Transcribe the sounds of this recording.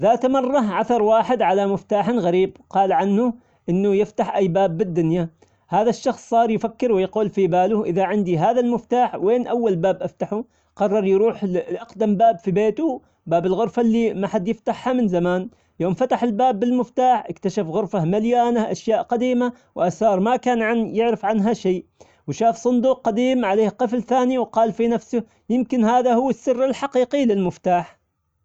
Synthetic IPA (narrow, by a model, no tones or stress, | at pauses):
ðaːt̪mɑrˤːɑʕaθɑɾˤwaːħɪd̪ʕalamɪft̪aːħanɣaɾiːbqɑːlʕanːʊ | ʔɪnːʊjɪft̪aħʔajːbaːbːɪd̪ːʊnja | haːðaʃːɑxsˤːɑːɾˤjfakːɪɾwɪjquːlfibaːlʊʔɪðaʕɪnd̪iɦaːðalmɪft̪aːħweːnʔawːalbaːbʔaft̪aħu | qɑrˤːɑɾˤjɾuːħʔɑqd̪ambaːbfibeːt̪u | baːbɪlɣʊɾfalːimaħad̪jɪft̪aħhamɪnzamaːn | joːmfat̪aħɪlbaːbːɪlmɪft̪aːħʔɪ̰kt̪aʃafɣʊɾfahmaljaːnaʔaʃjaːʔqɑd̪iːma | wʔasɑːɾˤmakaːnʕanjɪʕɾɪfʕanɦaʃaːʔ | wʃaːfsˤʊnd̪uːq̚qad̪iːmʕaleːhqɨflθaːniwqɑːlfinafsʊ | jɪmkɪnhaːðahʊwːɪsːɪrːɪlħɑqiːqilɪlmɪft̪aːħ